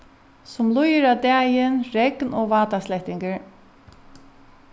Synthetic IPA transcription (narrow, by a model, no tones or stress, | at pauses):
sʊmlʊjɪɾad̪ɛːjɪnɾɛknɔːɡvaːt̪aslɛht̪ɪŋkəɹ